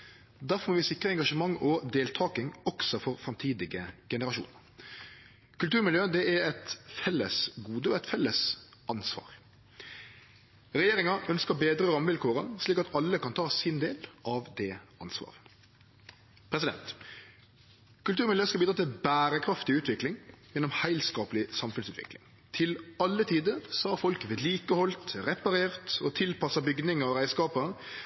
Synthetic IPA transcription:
d̪æɾfɔɾmɔːʋɪsɪkɾəɛŋɡɑʂəmɑŋːɔd̪eːlt̪ʰɑːkɪŋɔksɔfɔɾfɾɑmt̪ʰiːd̪ɪɡəɡ̥ɛnəɾɑʃṵːnəɾ | kʉlt̪ʉːɾmɪljøːd̪ɛæɾɛt̪fɛlːə̰sɡuːd̪əɔɛɪt̪fɛlːəsʔɑnsʋɑ̰ːʁ | ɾɛjeːɾɪŋɑœnskəɾbeːd̪ɾəɾɑmːəʋɪlkʰoːɾəsliːkɑt̪ɑlːəkɑnt̪ʰɑːsɪnd̪eːlʔɑʋd̪ɛːʔɑnsʋɑ̰ːʁə | pʰɾɛsɪd̪ɛ̰nt̪ | kʉlt̪ʉːɾmɪd̪jəːskɑbiːd̪ɾɑːt̪ʰɪlbæːɾəkʰɾɑft̪ɪʉːt̪ʰʋɪklɪŋjɛnːɔmhæɪlskɑːpəlɪsɑmfʉnsʉːt̪ʋɪ̰klɪ̰ŋ | t̪ʰɪlɑlːət̪ʰiːd̪əɾsɔhɑɾfɔlkʋeːd̪liːkəhɔlt̪ʁɛpɑɾeːʁt̪ɔt̪ʰɪlpɑsɑbʏɡd̪ɪŋɑʋʁæɪskɑːpə

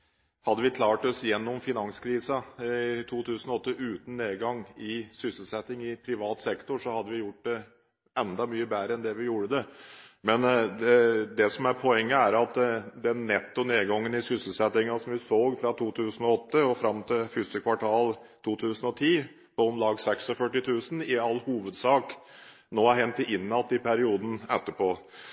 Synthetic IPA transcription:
hɑd̪ːəʋɪt̪ʰlɑːʈɔsjɛnːʊmfɪnɑŋskʰɾiːsɑɪt̪ʰuːt̪ʰʉːsənɔɔt̪ːəʔʉːt̪n̩ːeːɡɑŋɪsʏsəlsɛt̪ːɪŋɪpʰɾɪʋɑːt̪sɛkt̪ʊʂɔhɑd̪ːəʋɪjʊʈ̚ːd̪ɛ | ɛnd̪ɑmyːəbæːɾəɛnd̪ɛʋɪjuːɾəd̪ɛmɛnd̪ɛd̪ɛsɔmæɾpʰɔɛŋːəæɾɑt̪d̪ɛnːɛt̪ːʊneːd̪ɡɑŋːənɪsʏsəlsɛt̪ɪŋɑsɔmʋɪsoːɡfɾɑt̪ʰuːt̪ʰʉːsən̩ɔɔt̪ːəɔfɾɑmt̪ʰɪlfʏst̪əkʰʋɑʈʰɑːlt̪ʰuːt̪ʰʉːsənɔt̪ʰiː | pɔɔmlɑːɡsɛksɔfœʈːɪt̪ʰʉːsn̩ɪɑlːhuːʋəd̪sɑːk | noːæɾɦɛnt̪ɪʔɪnːɑt̪ːɪpʰæɾɪuːd̪n̩ɛt̪ːəpʰoː

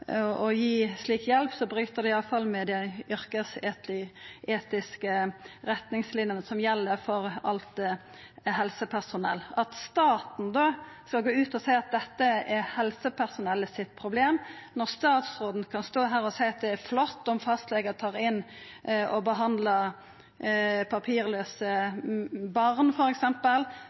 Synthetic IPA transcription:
ʔɔjiːsliːkjɛlpsɔbɾyːt̪əd̪ɛɪɑfɑlmɛd̪ɛʏʁkəseːt̪ɪʔeːt̪ɪskəʁɛt̪nɪŋslɪnjənəsɔmjɛlːəɾfɔʁɑlt̪ | ɦɛlsəpʰæsʊnɛ̰lːɑt̪st̪ɑːt̪n̩d̪o | skɑlɡoːʉːt̪ɔsæɪɑt̪̚d̪ɛt̪ːəɛhɛlsəpʰæʁsʊnɛlːəsɪt̪̚pʰɾʊbleːmnɔʁst̪ɑːt̪sʁoːd̪n̩kʰɑnst̪oːɦæːɾɔsæɪɑt̪̚d̪ɛːɾflɔt̪ːɔmfɑst̪lɛɡət̪ʰɑːʁɪnː | ɔbəɦɑnd̪lɑ | pʰɑpʰiːɾløːsə | bɑʁnfɔɾɛksɛmpəl

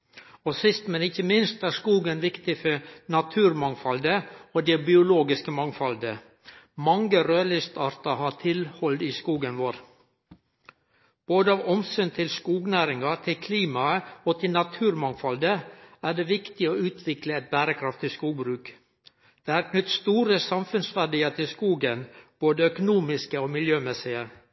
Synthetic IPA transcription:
osɪst̪mɛnɪçəmɪnst̪æːskuːɡənʋɪkt̪ɪfɔnɑt̪ʰʉːɾmɑŋfɑld̪əoːd̪ɛbɪʊloːɡɪskəmɑŋfɑld̪ə | mɑŋɡəɾøːlɪst̪ɑːɾt̪ɑhɑːt̪ʰɪlhɔld̪iːskuːɡənʋoːɾ | b̥oːd̪əɑʋɔmsʏnt̪ʰɪlskuːɡnæːɾɪŋɑt̪ʰɪkʰliːmɑəoːt̪ʰɪlnɑt̪ʰʉːɾmɑŋfɑld̪əæːɖeːʋɪkt̪ɪoːʉːt̪ʰʋɪkləɛt̪̚bæːɾəkʰɾɑft̪ʰɪskuːɡbɾʉːk | d̪̥eːhɑːɾkʰnʏt̪st̪uːɾəsɑmfʉnsʋæɖiːəɾt̪ʰɪlskuːɡənb̥oːd̪əœkʊnuːmɪskəoːmɪljøːmɛsɪə

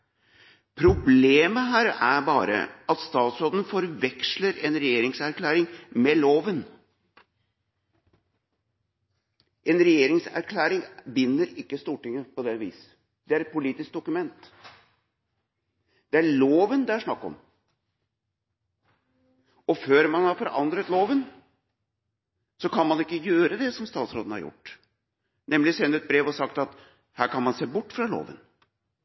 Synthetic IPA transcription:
pʰɾʊbleːməɦæːɾæɾbɑːɾə̰ɑt̪st̪ɑːt̪soːd̪nfɔɾʋɛksləɾɛnɾɛjeːɾɪŋsæɾkʰlæːɾɪŋmɛloːʋən | ʔɛnɾɛjeːɾɪŋsæ̰ɾkʰlæːɾɪŋbɪnːəɾɪkːəst̪uːʈɪŋːəpɔd̪ɛʋḭːs | d̪̥ɛæɾɛt̪̚pʊliːt̪ɪsk̚d̪ʊkʉmɛnt̪ | d̪̥ɛæɭoːʋənd̪ɛæʂɳɑkːɔ̰m | ɔføːɾmɑnhɑɾfɔɾʔɑ̰nd̪ɾət̪loːʋən | sɔkʰɑnmɑnɪkːəjøːɾəd̪ɛsɔmst̪ɑːt̪sɾoːd̪n̩hɑ̰jʊ̰ʈː | nɛmlɪsɛnːəɛt̪̚bɾeːʋɔsɑk̚t̪ɑt̪ | hæːɾkɑnmɑnseːbʊʈːfɾɑlo̰ːʋə̰n

